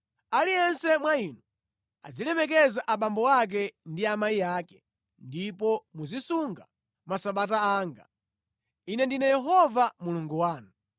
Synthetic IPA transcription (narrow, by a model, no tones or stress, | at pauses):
alijɛnsɛmwainu | a̰d͡zilɛmɛkɛzaʔaɓambɔak̬ɛndiamaijaːkɛ̥ | ndipɔmuzisuŋɡa | masaɓat̬aaːŋɡa̰ | inɛndinɛjɛɦɔvamuluŋɡuwaːnu